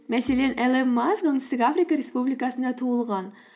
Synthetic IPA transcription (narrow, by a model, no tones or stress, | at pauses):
mæselenelˠemazɡoŋɨst̪ɪkʲafɾikɑɾespublikɑsɨnd̪ɑt̪ʰuəlˠʁɑn